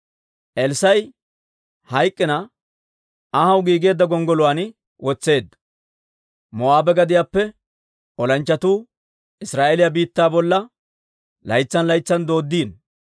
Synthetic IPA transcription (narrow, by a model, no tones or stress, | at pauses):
ʔɛlsɐj | hɐjkʼːɪnɐ | ɐhɐwɡiːɡe̞ːd̪ːɐɡɔŋɡɔlʊwaːn | wɔt͡sːe̞ːd̪ːɐ | mɔaːbɛɡɐd̪ɪjaːpːɛ | ɔlɐnt͡ʃːɐt̪uː | ɪsɾaːʔelɪjabiːt̪ːaːbɔlːɐ | lɐjt͡sːɐnlɐjt͡sːɐnd̪o̞ːd̪ːiːn